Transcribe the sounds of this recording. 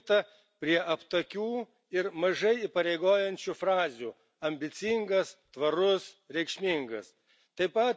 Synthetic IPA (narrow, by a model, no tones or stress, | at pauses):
t̪ɐ | pʲɾʲiɛʔɐpt̪ɐkʲuː | ɪɾmɐʒɐɪipɐɾʲeɪɡoːjɛnʲt͡ʃʲufɾɑːzʲuː | ɐmʲbʲɪt̪sʲɪŋɡɐst̪ʋɐɾʊsɾʲɛɪkʃʲmʲɪŋɡɐs | t̪ɐɪpɐt̪